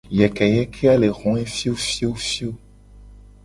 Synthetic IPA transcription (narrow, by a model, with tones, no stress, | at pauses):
jɛ˨kɛ˨jɛ˦kʰe˦a˦le˨ɣɔ̃˨˦ɛ˦fi˦o˦fi˦o˦fi˦o˦